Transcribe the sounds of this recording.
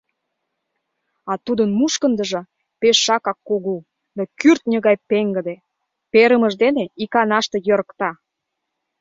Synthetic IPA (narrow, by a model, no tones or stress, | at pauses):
ɑt̪ud̪ənmuʃkənd̪ə̆ʒɤ̆ | peʃːɑkɑkːoɣu | d̪okyrt̪̚nʲəɣɑjpeŋɡə̆d̪e | peɾəməʒd̪eneikɑnɑʃt̪ejəɾəkt̪ɑ